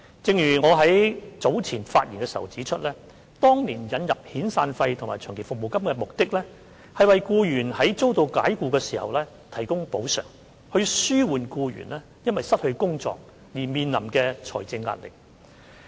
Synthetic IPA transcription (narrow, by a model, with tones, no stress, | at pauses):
t͡sɪ˨ŋjyː˨˩ŋɔː˨˧ɦɐ˨˥jt͡so˨˥wt͡sʰiː˨˩nfaː˧t̚jiː˨˩nkɛː˧siː˨˩˨wt͡siː˨˥t͡ʃʰɵ˥t̚lɛː˥ | t̪ɔː˥ŋliː˨˩njɐ˨˧njɐ˨p̚hiː˨˥nsa̰ː˧nfɐ˧jt̪ʰʊ˨˩ŋmaː˨˩jt͡ʃʰœː˨˩ŋke˨˩fʊ˨k̚mo˨wkɐ˥mkɛː˧mʊ˨k̚t̪ɪ˥k̚lɛː˥ | hɐ˨jwɐ˨jkuː˧jyː˨˩nhɐ˨˥jt͡so˥wt̪o˧wka̰ː˨˥jkuː˧kɛː˧siː˨˩hɐ̰˨wlɛː˥ | t̪ʰɐ˨˩jkʊ˥ŋpo˨˥wsœ̰ː˨˩ŋ | hɵ˧ɥsyː˥wuː˨nkuː˧jy̰ː˨˩nlɛː˥ | jɐ˥nwɐ˨˩jsɐ˥t̚hɵ˧ɥkʊ˥ŋt͡sɔ̰ː˧k̚ | jiː˨˩miː˨nlɐ˨˩mkɛː˧t͡ʃʰɔː˨˩jt͡sɪ˧ŋːa̰ː˧t̚lɪ̰˨k̚